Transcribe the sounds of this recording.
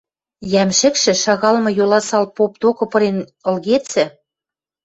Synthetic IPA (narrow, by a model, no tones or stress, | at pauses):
jæmʃɘ̆kʃɘ̆ʃɑɣɑlmɤ̆jolɑsɑlpop̚d̪okɤ̆pɤ̆ɾenɤ̆lɣet͡sɘ̆